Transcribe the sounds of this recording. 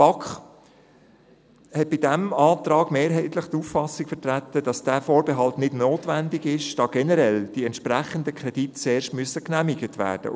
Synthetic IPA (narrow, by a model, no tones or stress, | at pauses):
b̥ɑkχ | hɛt̚b̥ɪdæmɑːtrɑːɡ̥meːɾɦɛɪtlɪχt̪uffɑsɪkfɛtræt̪ːədɑsd̥æːfoːɾbɛɦɑltnɪdnoːtʋændɪɡɪʃd̥ɑːɡ̥ɛnəɾɛld̥iɛntʃpræχəndəkʰrɛditt͡seːɾʃtmyəsəknæmiɡətvæ̰ːɾd̥ə̰